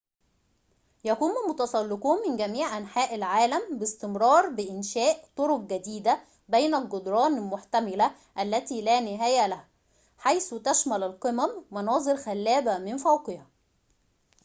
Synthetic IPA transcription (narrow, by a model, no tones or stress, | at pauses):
jækuːmælmʊt̪ɑsˤɑlːɪquːnmɪnɡæmiːʕʔænħaːʔɪlʕaːlæmbɪst̪ɪmɾˤɑːɾˤbɪʔɪnʃæːʔt̪ˤoɾʊq̚ɡæd̪iːd̪æ | bejnælɡod̪ɾˤɑːnɪlmʊħt̪æmɪlæ | ʔælːæt̪iːlæːnɪɦæːjælæhæ | ħajst̪æʃmælælqɨmæmːɑnɑːzˤɨɾxælːæːbæmɪnfæwqɪhæ